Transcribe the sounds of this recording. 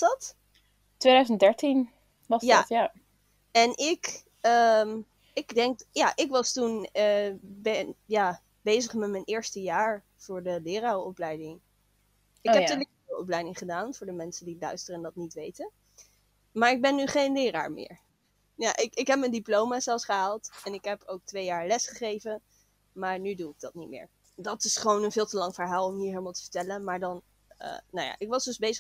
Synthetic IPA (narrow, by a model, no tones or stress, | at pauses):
dɑt | tʋejdœzəndɛɹtin | ʋɑsjaja | ɛnɪk | əm | ɪɡdɛŋkjaʔɪkʋɑstunəbɛnjaː | bejzəχmɛtmɛnɪːɹstəjaːɹ | v̥ʊːɹdəlɪːrawɔplɛjdɪŋ | ɪkɦɛptylək̚ɔplɛjdɪŋχədaːnvʊːɹdəmɛnsəndilœɥstərəndɑtnitʋejtən | maːɹɪɡ̚bɛnːyχejnlɪːra̰ːɹmɪ̰ːɹ | jaʔɪkɪkɦɛp̚məndiplowmazɛlˠsχəɦaːlˠtɛnɪkɦɛpʰowk̚tʋejaːɹlɛsχəχejvə | maːɹnyduɪɡ̚dɑt̚nitmɪ̰ːɹ | dɑtɪsχəʋownənvɪːlˠtəlɑŋvəɹɦaːlˠɔmɦiːɹɦejləmalˠtə̥və̥tɛlənmaːɹdɑn | ə̰nawja̰ːʔɪkʋɑzdøzbejzə